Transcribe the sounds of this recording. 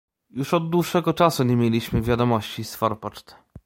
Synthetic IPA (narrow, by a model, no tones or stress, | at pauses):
juʂɔd̪ːwuʂːɛɡɔt͡ʂasuɲemʲjelʲiɕmɘvʲjad̪ɔmɔɕt͡ɕisfɔɾpɔt͡ʂt̪ɛ̥